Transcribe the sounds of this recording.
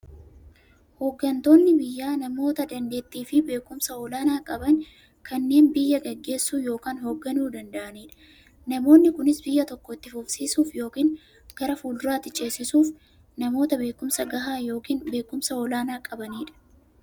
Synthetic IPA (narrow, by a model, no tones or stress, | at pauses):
hoːɡːɐnt̪o̞ːnːɪbɪjːaːnɐmo̞ːt̪ɐd̪ɐnd̪e̞ːt̪ːiːfɪbe̞ːkʊmsɐɔlaːnaːkʼɐbɐn | kɐnːe̞ːnbɪjːɐɡɐɡːe̞ːsːuːjo̞ːkaːnɦoːɡːɐnuːd̪ɐnd̪ɐʔɐniːᶑɐ̥ | nɐmo̞ːnːɪkʊnɪsbɪjːɐt̪ɔkːɔɪt̪ːɪfʊfsiːsuːfjo̞ːkiːn | ɡ̥ɐɾɐfuːld̪ʊɾaːt̪ːɪt͡ʃʼe̞ːsːɪsuːf | nɐmo̞ːt̪ɐbe̞ːkʊmsɐɡɐɦaːjo̞ːkiːnbe̞ːkːʊmsɐɔlaːnaːkʼɐbɐniːᶑɐ̥